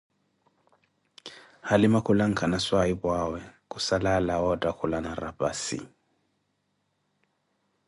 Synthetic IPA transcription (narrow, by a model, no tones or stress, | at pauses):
halimakʰulaŋ̩kʰanaswaibwawɛkusalalaɔdʼakʰulanarapʼa̰sḭ